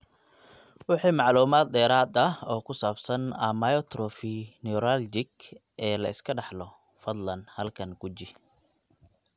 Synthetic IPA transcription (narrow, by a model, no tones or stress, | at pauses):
wɑħiːmɑʕluːmaːd̪̚d̪ɛːɾaːd̪ɐɔːkʰʊsaːbsɐnɐmajɔt̪ɾɔfɪnɪʊɾald͡ʒɪɡ | ɛːlɐɪskʰɐɖɑħlɔ | fɐd̪lɐnhɐlkʰɐŋɡ̥ʊt͡ʃɪ